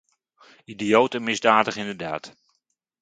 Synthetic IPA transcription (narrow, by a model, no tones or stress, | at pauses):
idijowtənmɪzdaːdəχɪndəɹda̰ːt